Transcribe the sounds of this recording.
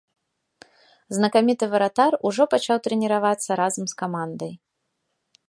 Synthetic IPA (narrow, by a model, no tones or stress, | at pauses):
znɐkamʲit̪ɨvɐɾat̪aruʐɔpat͡ʃawt̪ɾɨnʲiɾavat̪sːɐɾazɐmskamand̪ɐj